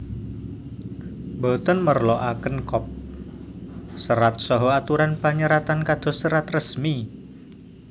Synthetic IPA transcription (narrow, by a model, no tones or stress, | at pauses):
bɔt̪ənmərlɔʔakənkɔp̚ | səɾat̪̚sɔɦɔat̪uɾanpaɲəɾat̪ankad̪̥ɔ̤səɾat̪rəsmi